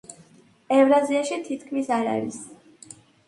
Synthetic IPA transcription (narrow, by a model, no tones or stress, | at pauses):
ɛvɾaziaʃit̪ʰit̪ʰkʰmisaɾa̰ɾḭs